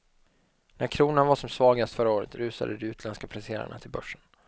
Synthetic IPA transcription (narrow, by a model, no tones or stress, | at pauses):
nʔæɾkʰɾuːnanvaʂɔmsvɑːɡast̪fœɾːaoːɾə̰t̪ɾʉ̟ːsa̰d̪əd̪ɛʉːt̪ʰlɛnskapʰlaseːɾa̰ɳa̰t̪ʰɪlbœʂːən